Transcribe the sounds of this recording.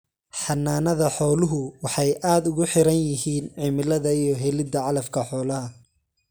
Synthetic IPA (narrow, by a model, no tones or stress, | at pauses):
ħɑnːaːnɐðɐħɔːlʊɦʊwɑħɑjʔaːd̪ʊɣʊħɪɾɐnjɪɦiːnʕɪmɪlɐðɐijɞɦɛlɪd̪ɐʕɑlɐfkʰɐħɔːlɐɦɐ